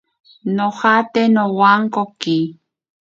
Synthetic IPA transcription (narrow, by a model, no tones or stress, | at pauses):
noχat̪enowaŋkoki